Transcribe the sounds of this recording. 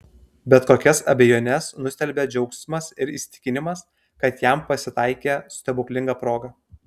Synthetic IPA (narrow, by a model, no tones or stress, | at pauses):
bʲɛt̪koːkʲɛsɐbʲɛjoːnʲɛsnʊsʲt̪ʲɛlʲbʲeːd͡ʒʲɛʊksʲmɐsɪɾisʲt̪ʲɪkʲɪnʲɪmɐs | kɐt̪jæmpɐsʲɪt̪ɐɪkʲeːst̪ʲɛbʊkʲlʲɪŋɡɑpɾoːɡɐ